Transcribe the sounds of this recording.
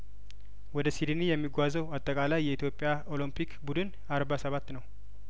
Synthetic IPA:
wɔd̪əsid̪ɨnijɛmːiɡʷazəwat̪ʼːəkʼalajːɛit̪ʰjo̞pʼːɪjao̞limpʰikbud̪ɨn | aɾbasəβat̪ːnəw

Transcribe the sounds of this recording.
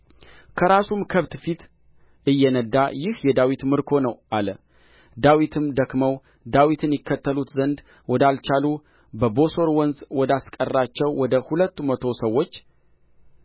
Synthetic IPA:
kʰəɾasumkʰəβt̪fit̪ | ɨjːɛnəd̪ːajɪhjɛd̪awit̪mɨɾkʰo̞nəwʔalə | d̪awit̪ʰɨmd̪əkməw | d̪awit̪ʰɨnjɪkʰːət̪ːəlut̪zənd̪ | wɔd̪alt͡ʃalu | bəbo̞so̞ɾwɔnzwɔd̪askʼərːat͡ʃːɛwwɔd̪əhulət̪ːumət̪ʰo̞səwːo̞t͡ʃː

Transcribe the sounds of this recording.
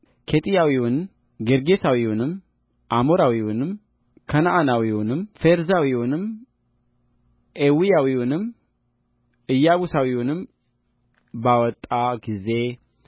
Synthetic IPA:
kʰet̪ʼijawiwʊn | ɡeɾɡesawiwunɨm | ʔamoɾawiwunɨm | kʰɐnaʔanawiwʊnɨmfeɾzawiwʊnɨm | ʔewijawiwʊnɨm | ʔɨjːaɡusawiwunɨm | bawɔt̪ʼːaɡize̞

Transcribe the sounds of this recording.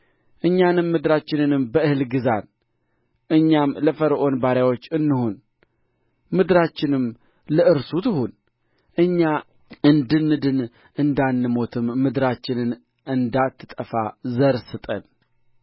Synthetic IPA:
ʔɨɲːanɨmːɨd̪ɾat͡ʃːɪnɨnɨmbəɨhɨlɡɨzan | ʔɨɲːamləfəɾʔo̞nbaɾjawo̞t͡ʃːɨnːɨhun | mɨd̪ɾat͡ʃːɪnɨm | ləɨɾsut̪ʰɨhun | ʔɨɲːa | ʔɨnd̪ɨnːɨd̪ɨn | ʔɨnd̪anːɨmo̞t̪ʰɨmːɨd̪ɾat͡ʃːɪnɨn | ʔɨnd̪at̪ʰːɨ̥t̪ʼəfazəɾsɨt̪ʼə̰n

